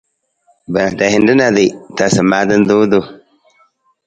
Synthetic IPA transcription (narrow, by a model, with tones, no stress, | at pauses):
ba˨ta˨hi˨n˦də˦na˨di˨ta˨sə˨ma˦də˦n˦du˦du˦